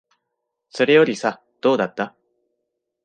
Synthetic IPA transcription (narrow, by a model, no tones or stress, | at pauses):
so̞ɾe̞jo̞ɾʲisa | d̪̥o̞ːd̪at̪ːa